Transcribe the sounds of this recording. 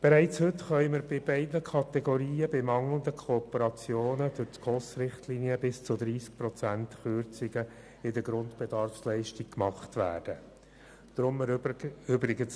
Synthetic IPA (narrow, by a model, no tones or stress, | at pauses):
b̥ɛɾɛɪt͡shɵtχœʏməɾbɪbɛɪdnəkʰɑt̪ɛɡoɾiːəbɪmɑŋlənd̪əkʰoːpəɾɑt͡sjoːnəd̥ʊɾtkosɾɪχtliniəbɪst͡sʊd̪ɾiːsk̚pɾɔt͡sæntχʏɾt͡sɪɡə | ɪdəɡɾʊnt̪bɛd̥ɑrfslɛɪʃtik̚kmɑχt̪ʋæ̰ːd̥ə | d̥ɾʊməʏbɾɪɡəns